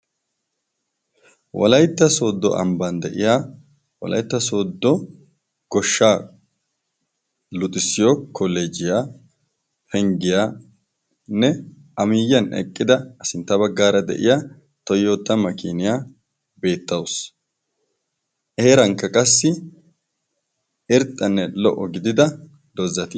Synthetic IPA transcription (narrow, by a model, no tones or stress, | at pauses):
wɔ̰lɐjt̪ːɐso̞ːd̪ːɔ̰ʔɐ̰mbɐnd̪ɛʔɪjaː | wɔ̰lɐ̰jt̪ːɐso̞ːd̪ːɔ | ɡ̥ɔʃːaː | lʊt̪ʼːɪsɪjokʰːɔleːd͡ʒɪjaː | pʰɛŋɡɪjaː | nɛ | ʔɐmiːjːɐnɛ̰kʼːɪd̪ɐɐsɪnt̪ːɐβɐɡːaːɾɐd̪ɛ̰ʔɪjaː | t̪ɔjːoːt̪ːɐmɐkiːnɪjaː | be̞ːt̪ːɐws | ʔɛeːɾɐŋkːɐkʼɐsːɪ | ɛɾt̪ʼːɐnːɛlɔ̰ʔɔɡɪd̪ɪd̪ɐ | d̪̥ɔzːɐt̪ɪ